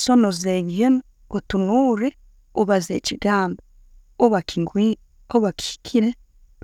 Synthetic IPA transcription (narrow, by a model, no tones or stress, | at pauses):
sonozeɲen | otunuɾe | oβazeːciɡaːmba | oβakiŋɡi | oβaki̥i̥kʰiɾe